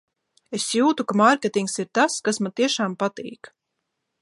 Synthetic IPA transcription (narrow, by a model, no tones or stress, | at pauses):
esjuːt̪ukamaɾkʲet̪iŋksiɾt̪askasmant̪iɛʃaːmpat̪ḭːk